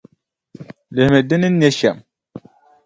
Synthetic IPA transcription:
le˨hme˨d̪i˦ni˦nːe˦ʃa˨m

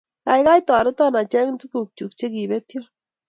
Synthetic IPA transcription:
ka˨jka˦jtɔ˨ɾɪ˦tɔ˦na˨t͡ʃɛ˦ŋntu˦ku˨k̚t͡ʃu˨k̚t͡ʃe˦ki˨be˦tjɔ˦

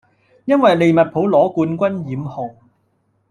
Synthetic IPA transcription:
jɐ˥nwɐ˨jle˨jmɐ˨t̚pʰo˨˥wlɔː˨˥kuː˧nkʷɐ˥njiː˨˥mhɔ˨˩ŋ

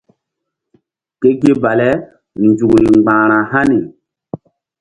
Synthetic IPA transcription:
ke˦ɡe˦ba˨lɛ˦˨ | nd͡ʒu˨kɾi˨ŋ͡mɡ͡bãː˨ɾã˨ɦa˦ni˨

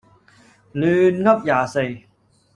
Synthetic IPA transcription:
lyː˧nŋɐ˥p̚jaː˨˩se˨˧˩j

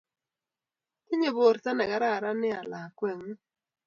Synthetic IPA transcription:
kɪ˦ɲe˦˨bo˨ɾta˦nɛ˨ɡa˨ɾa˦˨ɾa˦nɪ˦a˨la˨kwɛ˨ŋ˦

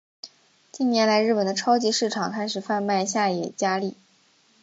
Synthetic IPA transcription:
t͡ɕi˥˩njɛ˧˥nla˧˥ɪɻ̩˥˩pə˨˩nd̪ə˦ʈ͡ʂʰɑ˥ʊt͡ɕi˧˥ʂɻ̩˥˩ʈ͡ʂʰɑ˨˩˦ŋkʰa˥ɪʂɻ̩˨˩fa˥˧npa˥˧ɪɕja˥˩jɛ˨˩t͡ɕja˥li˥˩

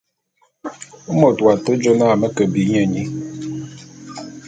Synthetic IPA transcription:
u˦mo˨twa˨tə˦d͡ʒo˦na˦˨mə˦kə˨bi˨˦ɲɛ˦˨ɲi˨

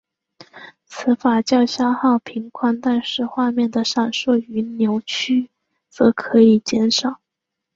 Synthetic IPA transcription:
t͡sʰɹ̩˧˥fa˨˩t͡ɕjɑ˥˩ʊɕja˥xɑ˥˩ʊpʰi˧˥ŋkʰwa˥˧nt̪a˥˧nʂɻ̩˥˧xwa˥˧mjɛ˥˩nd̪ə˩ʂa˨˩nʂwɔ˥˩y˧˥njo˧˥ʊt͡ɕʰy˥ | t͡sɤ˧˥kʰɤ˧˥i˨˩t͡ɕjɛ˥nʂɑ˨˩˦ʊ

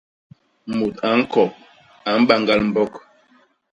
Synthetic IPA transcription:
mo˨ta˨˦ŋ̩˦kɔ˨p̚ | a˨m̩˦ba˦˨ŋɡa˦lm̩˦bɔ˦k

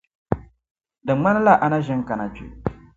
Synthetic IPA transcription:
dɨ˨˦ŋ͡ma˦n˦la˦ʔa˨na˦ʒɛ˦ŋ˦ka˨na˨d͡ʒṵ˨

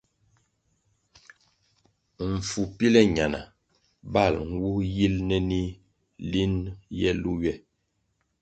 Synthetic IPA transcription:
ɱ̩˨fu˨pi˦lɛ˦ɲa˨na̰˨ | ba˦˨lŋ̩˦wu˦ji˦lnɛ˦ni˦ | li˦njɛ˦lu˦ɥɛ˦˨

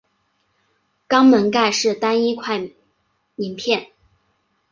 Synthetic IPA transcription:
kɑ˥ŋmə˧˥nka˥˧ɪʂɻ̩˥˩t̪a˥ni˥kʰwa˥˩ɪ | mi˧˥ŋpʰjɛ˥˩n

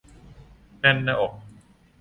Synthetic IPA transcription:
nɛ˥˨nːa˧˨ʔo˨˩k̚

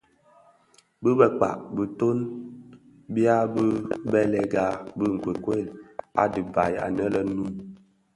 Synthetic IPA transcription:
bɨ˦bə˨k͡pa̰˨ʔ̚bɨ˨to˦n | bja˦bə˦bɛ˦lɛ˨ɡa˦bɨ˦˨ŋ̩˨ke˨kwe˦˨la̰˨dɨ˨ba˨ja̰˨nə˦lə˨˦nu˦m

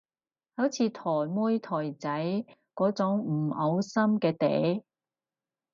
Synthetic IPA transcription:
hɐ˨˥wt͡sʰiː˨˧˥t̪ʰɔː˨˩jmuː˥jt̪ʰɔː˨˩jt͡sɐ˨˥jkɔː˨˥t͡sʊ˨˥ŋ̩˨˩ʔɐ˨˧wsɐ˥mkɛː˧t̪ḛː˨˥j

